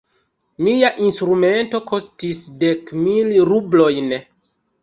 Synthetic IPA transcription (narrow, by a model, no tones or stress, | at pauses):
miaʔinstɾume̞nto̞kʰo̞stisde̞kmilɾublo̞jn